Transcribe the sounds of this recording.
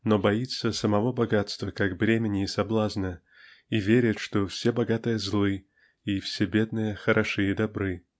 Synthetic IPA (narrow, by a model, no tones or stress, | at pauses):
nobɐit̪sːəsəmɐvo̞bɐɡat̪st̪vəkakbɾʲemʲɪnʲɪːsɐblˠaznə | ivʲeɾʲɪt̪ʂt̪ofsʲebɐɡat̪ɨjəzlˠɨ | ifsʲebʲe̞d̪̚nɨjəxəɾʔɐʂɨjəd̪ɐbɾɨ